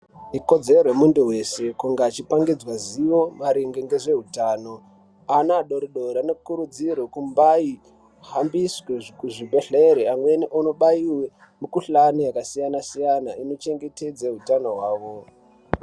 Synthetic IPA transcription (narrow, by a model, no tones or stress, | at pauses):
iko̞d͡ze̞rorwemunduɦe̞se̞kuŋɡaːt͡ʃipaŋɡid͡zwaziʋo̞maɾiŋɡeŋɡeʐe̞ɦutaːno̞ | anaɗo̞ɾiɗoɾanokuɾud͡zirwekumbai | ɦambisweʐkuʐibʱe̞ɬeɾeamwe̞niʔunoɓaiwe | mukuɬanijakasijanasijanaino̞t͡ʃe̞ŋɡe̞te̞d͡zeɦutano̞ɦwaːʋo̞